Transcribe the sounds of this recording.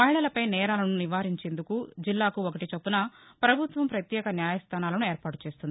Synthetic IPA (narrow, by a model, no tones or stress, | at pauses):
mɐɦiɭɐlɐpɐjnɛːɾaːlɐnuniʋaːɾiɲt͡ʃe̞ːnd̪ukud͡ʒilːaːkuokɐʈit͡ʃɐpːunɐpɾɐbʱut̪ʋɐmpɾɐt̪jɛːkɐnjaːjɐst̪ʰaːnaːlɐnueːɾpaːʈu̥t͡ʃe̞ːst̪und̪i